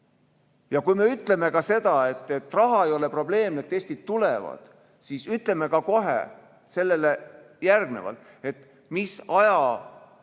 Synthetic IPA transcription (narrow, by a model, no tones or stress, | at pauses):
jɑkujme̞yt̪ːˑle̞me̞kɑse̞d̪̥ɑe̞t̪ːˑe̞t̪ːˑrɑɦɑejo̞le̞pro̞b̥le̞ːmet̪ːe̞sʲt̪id̪̥̚t̪ule̞vɑ̰d̪̥ | sisyt̪ˑle̞me̞kɑko̞ɦḛ | se̞lːe̞le̞ | jærɡ̥ne̞̰vɑ̰lt̪ˑ | e̞t̪ːˑ | misɑjɑ